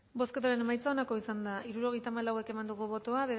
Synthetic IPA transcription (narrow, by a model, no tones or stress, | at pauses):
bo̞sket̪aɾe̞ne̞majt͡sao̞nako̞isand̪aʔiɾuɾo̞ɣ̞e̞jt̪aːmalawe̞ke̞mand̪uɣ̞uβo̞t̪oaβe